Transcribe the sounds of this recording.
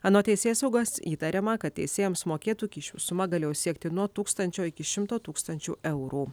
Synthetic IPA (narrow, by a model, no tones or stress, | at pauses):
ɐnoːt̪ʲɛɪsʲeːsɐʊɡɐsiːt̪ɐɾʲɛmɐkɐt̪̚ʲt̪ʲɛ̰ɪsʲeːjɛmsmoːkʲeːt̪uːkʲiːʃʲṵːsʊmɐɡɐlʲeːjosʲiɛk̚t̪ʲɪnuɔt̪uːkst̪ɐnʲt͡ʃʲoːɪkʲɪʃʲɪmt̪oːt̪uːkst̪ɐnʲt͡ʃʲṵːʔɛʊɾuː